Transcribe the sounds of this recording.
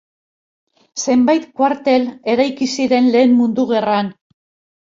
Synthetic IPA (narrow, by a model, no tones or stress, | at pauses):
se̞mbajt̪kwaɾt̪e̞le̞ɾajkisiɾe̞nle̞ːmmund̪uɣe̞ran